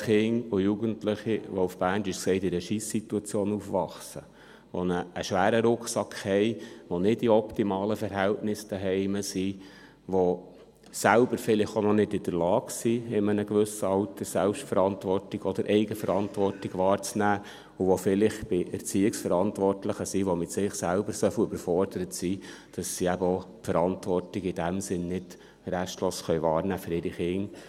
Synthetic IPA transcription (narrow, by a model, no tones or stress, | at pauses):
χɪŋʊjuɡəntlɪχiʋɔufb̥æːntɪʃksɛɪtɪɾəʃiːsːituɑt͡sjoːnufʋɑχsə | ʋɔ̰nəːʃʋæːɾəɾʊkχsɑkχhɛɪʋɔnɪdiɔptimɑːləfəɾɦɛltnɪsd̥æɦɛɪməsi | ʋo | sælb̥əɾfɪlɪχonɔnɪdɪd̥əɾlɑːksiɪmənəɡʋʏsəɑlt̪ʰəsælpʃtfəɾɑntʋɔrtɪɡɔd̥̪əɾʔɛɪɡəfəɾɑntʋɔrtɪɡʋɑːɾt͡snæː | uʋofɪlɪχb̥ɪɛrt͡siːɪksfəɾɑntʋɔrtləχəsiʋomɪtsɪχsælbəɾsœfʏbəɾfɔrd̥əɾətsiːd̥ɑsːiæbəo | fəɾɑntʋɔrtɪɡɪd̥æmsɪnnɪd̥ | ɾæʃtloːsχœjʋɑːɾnæːfʏɾɪɾiχɪŋ